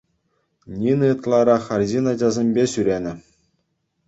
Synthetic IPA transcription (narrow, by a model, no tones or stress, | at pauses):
nʲinɘt̪lˠɑɾɑχɑrʲʑinɑd͡ʑɑzʲemʲbʲeɕyɾʲenʲɘ̆